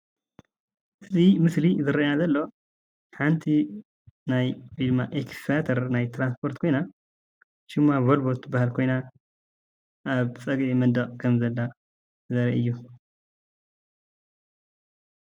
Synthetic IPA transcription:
ʔɨzimɨslizɨɾɐjazɐlːo̞ | ħant̪ʰi | najd̪ɨmːaʔekfat̪ʰɐɾnajt̪ʰɾanspʰo̞ɾt̪kʰo̞jna | ʃɪmːaβolbot̪bahalkʰo̞jna | ʔaβt͡sʼɐɡʔimɐnd̪ɐqʼkʰɐmzɐlːa | zɐɾɐʔɨjːu

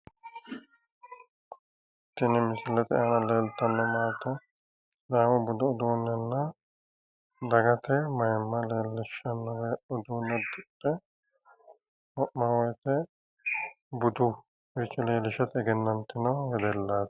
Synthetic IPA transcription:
t̪ːɪnɪmɪsɪlɛt̪ɛɐnɐleːlt̪ɐnːɔmaːt̪ɔ | d̪aːmʊbʊd̪ʊʊd̪uːnːɛnːɐ | d̪ɐɡɐt̪ɛmɐjmːɐleːlːɪʃɐnːɔwɛʊd̪uːnːɛd̪ʊdɛ | mɔʔmɐwɔjt̪ɛ | bʊd̪ʊ | ɪɾɪt͡ʃːɔleːlɪʃɐt̪ɛɡɛnːɐnt̪ːɪnɐwhɛd̪ɛlːaːt̪

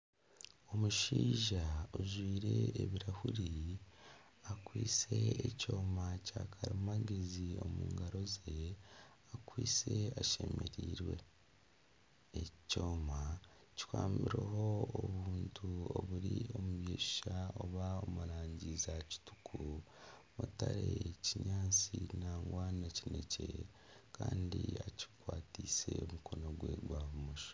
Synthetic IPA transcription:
o̞muʃiːʒaoʒwiːɾe̞ːβiɾahuɾi | akwiːse̞eco̞ːmacaːkʰaɾimaɡezio̞muːŋɡaɾo̞ze̞ | akwiːse̞aʃe̞me̞ɾiːɾwe̞̰ | eco̞ːma | ci̥kwaːmbiɾeɦo̞oβuːntʰuoβuɾio̞muβjeːʃi̥ʃaoβaomuɾaːɲɟizaci̥tu̥kʰu | mutaɾeciɲaːt͡sinaːŋɡwanacine̞ce̞ | kʰaːndiaci̥kwaːtiːse̞omuko̞no̞ɡwe̞ɡwaβumuʃo̥

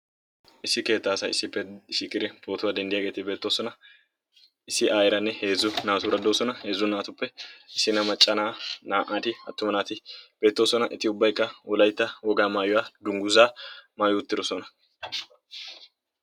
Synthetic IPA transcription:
ʔɪsːɪke̞ːt̪ːaːsɐjɪ̰sːɪpːɛʃɪkːɪd̪ɪpoːt̪ʊwaːd̪ɛnd̪ɪjaːɡe̞ːt̪ɪbe̞ːt̪ːoːsɔnɐ | ɪsːɪʔaːjɪɾɐnːɛhe̞ːzːʊnaːt̪ʊɾɐd̪o̞ːsɔnɐhe̞ːzːʊnaːt̪ʊpːɛɪsːɪnɐmɐt͡ʃʼːɐnaːnaːʔaːt̪ɪɐ̰t̪ːʊmɐnaːt̪ɪb̥e̞ːt̪ːo̞ːsɔnɐʔɪt̪ːɪʊbːɐjkːɐwɔlɐjt̪ːɐwɔɡaːmaːjʊwaːd̪ʊŋɡʊzaːmaːjʊʊt̪ːɪdɔsɔnɐ

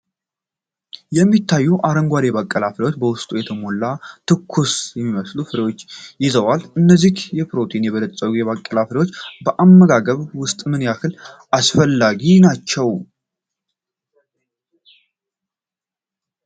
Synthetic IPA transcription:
jɛmːit̪ʰːajːuʔaɾəŋɡʷaleβakʼːəlaflewo̞t͡ʃːbəwʊst̪ʼujɛt̪ʰəmo̞lːat̪ʰɨkʰːusjɛmːiməslufɨɾewo̞t͡ʃːjɪzəwalɨnːəzːihjɛpɾo̞t̪ʰinjɛβələt̪ʼːəɡujɛβakʼːəlafɾewot͡ʃːbəʔamːəɡaɡəβwʊst̪ʼmɨnjakɨlʔasfəlːaɡinat͡ʃːɛw

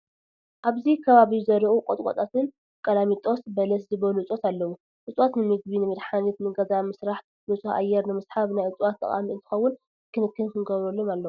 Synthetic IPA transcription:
ʔaβzikʰɐβaβizɐɾiʔukʼot̪ʼkʼot̪ʼat̪ʰɨn | kʼɐlamit̪ʼosbɐlɐs̬zɨβɐluɨt͡sʼot̪alːɐwu | ʔɨt͡sʼwot̪nɨmɨɡ̚binɨmɨd̪ħanit̪nɨɡɐzamɨsɾaħt̪ | nɨt͡sʼuʔa̰jɛɾnɨmɨsħaβnajɨt͡sʼwat̪ːʼɐ̰χʼa̰miɨnt̪ʰɨxɐwːʊn | kʰɨnɨkːɨnkʰɨnɡɐβɾolːomalːɐwu

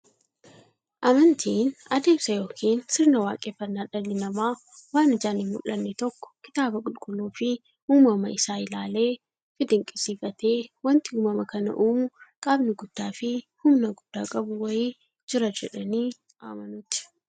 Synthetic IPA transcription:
ʔɐmɐnt̪ʰiːnɐd̪e̞ːmsɐjo̞ːkʰiːnsɪɾnɐwaːkʼeːfːɐnːaːᶑɐnːɪnɐmaː | waːnɪd͡ʒaːnɪmmʊ̰lːɐnːɛt̪ɔkːɔ̥kɪt̪aːbɐkʼʊlkʼʊlːuːfɪ | huːmɐmɐɪsaːɪlaːle̞ː | fɪd̪ɪŋkʼɪsiːfɐt̪e̞ːwɐnt̪ɪhʊːmɐmɐkɐnɐ̰ʔuːmʊkʼaːbnɪɡʊd̪̥ːaːfɪhʊmnɐɡʊd̪̥ːaːkʼɐbʊwɐjiː | d͡ʒɪɾɐd͡ʒɛᶑɐniː | a̰ːmɐnʊt̪ɪ̥

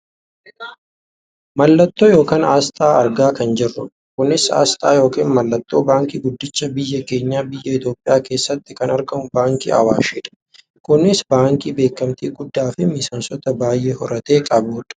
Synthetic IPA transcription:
mɐlːɐt̪ːoːjo̞ːkaːnaːst̪ʼaːɐɾɡaːkɐnd͡ʒɪrːʊ | kʊnːɪsa̰ːst̪ʼa̰ːjo̞ːkiːnmɐlːɐt̪ːo̞ːbaːŋkiːɡʊd̪ːɪt͡ʃːɐbɪjːɐke̞ːɲːaːbɪjːɐɪt̪jo̞ːpʼːɪjaːke̞ːsːɐt̪ːɪkɐnɐɾɡɐmʊbaːŋkḭːɐ̰waːʃɛːᶑɐ̥ | kʊnːɪsbaːŋkiːbe̞ːkːɐmt̪iːɡʊd̪ːaːfɪmɪsɐnsɔt̪ɐbaːjʔe̞ːhɔɾɐt̪e̞ːkʼɐbuːᶑɐ̥

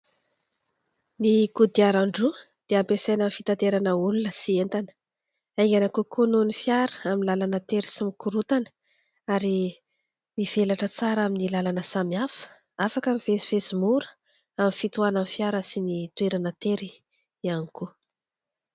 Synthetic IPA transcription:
nikud̪iaɾaɳɖ͡ʐu | d̪̥eampesajnamfit̪ant̪eɾanəulunəsient̪anə̥ | ajŋɡanəkukunonifjaɾəaminlalanət̪eɾisimikuɾut̪anə̥ | aɾi | miv̥elaʈ͡ʂət͡saɾaminilalanəsamiafə̥ | afakəmivesifesimuɾə̥ | aminfit̪uananfjaɾəsinit̪ueɾanət̪eɾi | ianiku

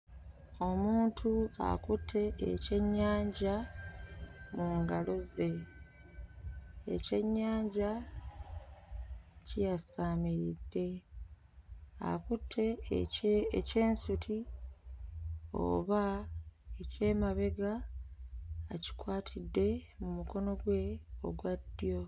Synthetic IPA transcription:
o̞muːntʰua̰kutʰːe̞ːce̞ɲːaːɲɟa | muŋɡalo̞ze̞ | ce̞ɲːaːɲɟa | cijasaːmiɾidːe̞ | a̰kutʰːe̞ | ce̞ːnsutʰi | o̰βa | ece̞ːmaβe̞ɡa | ci̥kwaːtʰidːe̞mumuko̞no̞ɡwe̞o̰ɡwadːijo̞

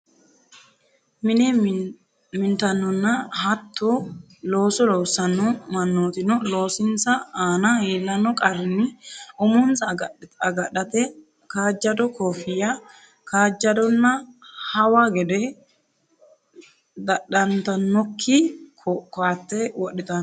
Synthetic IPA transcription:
mɪnɛ | mɪnt̪ɐnːɔnːɐhɐt̪ʰːɔ | lo̞ːsɔlɔwsɐnːɔmɐnːoːt̪ɪnɔlo̞ːsɪnt͡sɐaːnɐheːlːɐnːɔkʼɐɾɪnːɪʔʊmʊnt͡sɐɡɐɐɡɐɗɐt̪ɛ | kaːd͡ʒːɐd̪ɔkʰoːfɪjɐ | kaːd͡ʒːɐd̪ɔnːɐhɐwaɡɛd̪ɛ | d̪ɐɗɐnt̪ɐnːɔkʰːɪkkaːt̪ːɛwɔɗːɪt̪ɐ

